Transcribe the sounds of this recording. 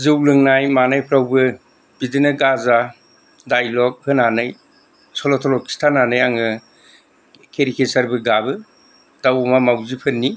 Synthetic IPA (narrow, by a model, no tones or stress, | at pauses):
zɯwlɯŋnajmanajpʰɾawbɯ | b̥idinɯɡaza | dajlɔk̚hɯnanɯj | sɔlɔtʰɔlɔkʰi̥stʰananɯjaŋɯ | kʰeɾikʰesaɾbɯɡabɯ | d̥awmamawzipʰɯnːi